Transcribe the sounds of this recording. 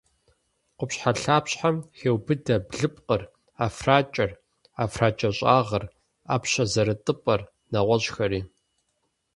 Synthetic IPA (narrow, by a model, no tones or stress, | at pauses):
qʷʊpɕħaɬaːpɕħamxeːwbɨdɐbɮɨp̚ʼqər | aːfraːt͡ʃʼɐr | aːfraːt͡ʃʼɐɕʼaːʁɐr | aːpɕɐzɐɾɨtʼɨpʼɐr | nɐʁʷɔɕxɐɾiː